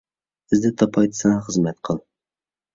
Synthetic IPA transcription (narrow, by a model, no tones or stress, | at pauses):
sɪzd̪ɛt̪ʰɑpʰɑjt̪ʰɨ̥sɑŋɑχəzmɛt̪qʰəlˠ